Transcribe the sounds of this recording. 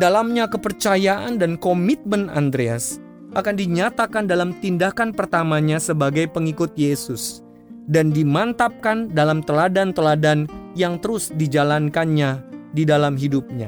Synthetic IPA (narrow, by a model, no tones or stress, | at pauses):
dalamɲakəpərt͡ʃajaʔandankomit̪̚məna̰nd̪ɾeas | ʔakandiɲat̪akandalamt̪indahkanpərt̪amaɲasəbaɡajpəŋikʊt̪̚jesʊs | dandimant̪ap̚kandalamt̪əladant̪əladanjaŋt̪əɾʊsdid͡ʒalankanɲadidalamɦidup̚ɲa̰